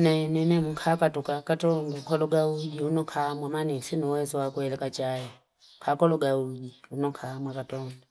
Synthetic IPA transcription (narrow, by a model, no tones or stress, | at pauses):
nɛnɛnɛmuŋkʰakatukakatɔŋɡukɔlɔɡaud͡ʒiunɔkʰamwamanɛsinuwɛzɔwakuɛlɛkat͡ʃajɛ | kʰakɔlɔɡaud͡ʒiunɔŋkʰamwakatɔnda